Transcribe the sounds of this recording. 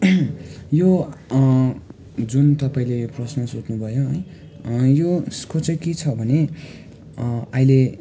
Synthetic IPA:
jo | d͡zunt̪ʌpaĩlejoprʌsnʌsotnubʱʌjoɦʌj | joskot͡sʌket͡sʰʌbʱʌne | aile

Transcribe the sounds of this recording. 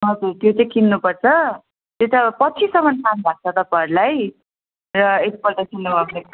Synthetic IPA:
ɦʌd͡zurt̪jot͡sʌjkʰinːupʌrt͡sʰʌ | t̪jot̪apʌt͡sʰisʌmʌnsʰanbʱak̚t͡sʰʌt̪ʌpʌɾlaj | rʌet̪ipʌɾt̪asinːubʱʌbne

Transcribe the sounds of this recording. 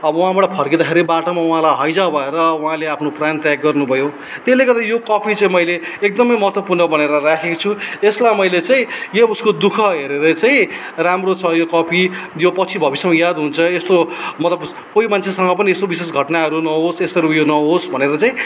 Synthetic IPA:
ʌbʌũɦãbʌʈapʰʌrked̪akʰeɾibaʈomauɦãlajɦʌjd͡zabʱʌeɾʌũɦãleapʰnoprant̪jaɡɡʌrnubʱʌjo | t̪eleɡʌd̪ajokʌpʰit͡saĩmʌjleek̚d̪ʌmʌjmʌɦʌt̪wʌpurnʌbʌneɾʌɾakʰekot͡sʰueslajmʌjlet͡saĩjebuskod̪ukʰʌɦeɾeɾʌt͡saĩ | ramrot͡sʰʌjokʌpʰijopʌt͡sʰibʱʌbisjemʌjad̪ɦunt͡sʰʌest̪omʌt̪lʌb | koimant͡sʰesʌŋɡʌpʌniest̪obises̬ɡʱʌʈnaɦʌɾunʌɦosesʌɾujonʌɦosbʱʌneɾʌt͡saĩ

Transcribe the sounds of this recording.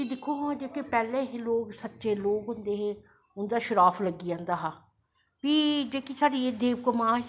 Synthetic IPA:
id̪ɪkʰːoːɦãːd͡ʒeːkeːpɛːlẽːɦeːloːɡsətːʃeːloːɡɦʊnd̪eːɦeː | ʊnd̪aːʃʊɾaːfʰləɡiːãːnd̪aːɦaː | piːd͡ʒeːkisaːɖiːed̪eːbkəmãː

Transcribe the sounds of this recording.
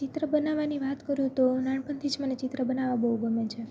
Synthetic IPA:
t͡ʃɪt̪ɾəbənaʋaniʋat̪kəɾjũt̪onaɳpənt̪ʰid͡ʒmənet͡ʃɪt̪ɾəbənaʋabəɦuɡəmet͡ʃʰe

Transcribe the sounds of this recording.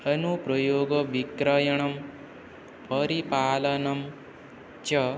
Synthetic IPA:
ɐnupɾɐjoːɡɐʋikɾɐjɐɳ̃ɐm | pɐɾipaːlɐnɐm | t͡ʃɐ

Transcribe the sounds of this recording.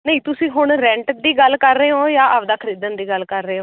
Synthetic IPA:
nəĩːt̪ʊsĩːɦʊɳɾɛ̃ɳʈd̪iːɡəlkəɾːeːɦoːjaːʔəʋd̪aːkʰəɾiːd̪ənd̪iːɡəlːkəɾːeːɦoː

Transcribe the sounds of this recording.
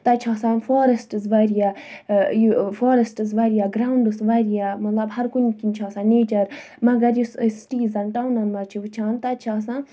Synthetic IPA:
t̪ɐt͡ʃʰaːsãːnfoːɾesʈɨzʋaɾija | jfoːɾɐsʈɨzʋaːɾijaːɡɾaːuɳɖusʋaɾijamɐt̪lɐbhɐɾkunkint͡ʃʰaːsãːneːt͡ʃɐɾ | mɐɡɐɾjussʈiːzɐnʈaːwnɐnmɐt͡ʃʰiʋɨt͡ʃʰaːnt̪ɐt͡ʃʰaːsã

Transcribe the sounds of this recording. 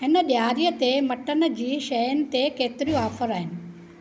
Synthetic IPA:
ɦɪnəɓjaːɾijət̪emɐʈən̆d͡ʑiːʃɐjənɪ̆t̪ekeːt̪ɪɾijõaːfəɾaːɦɪnɪ̆

